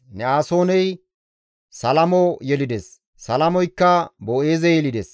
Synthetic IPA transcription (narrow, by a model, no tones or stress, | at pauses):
nɛaːso̞ːnɛj | sɐlɐmɔjɛlɪd̪ɛsː | ɐlɐmɔjkːɐboʔeːzɛjɛlɪd̪ɛs